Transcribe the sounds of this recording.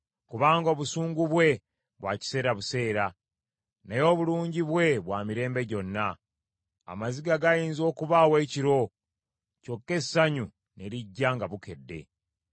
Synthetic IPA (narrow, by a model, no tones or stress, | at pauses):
kuβaːŋɡo̞ːβusuːŋɡuβwe̞ | βwa̰ːci̥se̞ːɾaβuse̞ːɾa | najo̞ːβuluːɲɟiβwe̞βwaːmiɾe̞ːmbe̞ɟo̞nːa | a̰maziɡaɡajiːnzo̞ːkuβawe̞ːciɾo̞ | co̞kːe̞saɲu | ne̞ɾiɟːaːŋɡaβuke̞dːe̞̰